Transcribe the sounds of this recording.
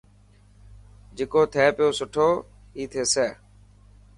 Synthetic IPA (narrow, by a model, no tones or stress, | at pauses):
d͡ʒeːkoːt̪ʰɛːpɪjoːsʊʈʰoː | iːt̪ʰeːsɛː